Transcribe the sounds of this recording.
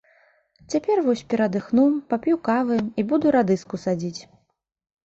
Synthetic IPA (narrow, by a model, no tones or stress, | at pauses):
t͡sʲapʲɛrvɔsʲpʲɛɾɐd̪ɨxnupapʲjukavɨibud̪uɾad̪ɨskusad͡zʲit͡sʲ